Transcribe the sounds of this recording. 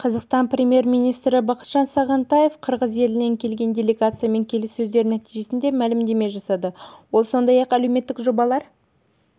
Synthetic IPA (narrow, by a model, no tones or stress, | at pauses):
qʰɑzɑqst̪ɑnprʲe̞mje̞ɾmijnijst̪ɾɪbɑqət̪ʒ̥ɑnsɑʁɑnt̪ɑje̞fqʰəɾʁəze̞lɪne̞ŋkʲʰe̞lɡʲe̞nd̪ʲe̞lʲe̞ɡat̪sɨjame̞ŋkʲʰe̞lɪsːɵzd̪e̞ɾɪnæt̪iʒe̞sɪnd̪e̞mælɪmd̪e̞me̞ʒɑsɑd̪əwo̞lˠso̞nd̪ɑjɑqælewme̞t̪ːɪkʒo̞bɑlˠɑɾ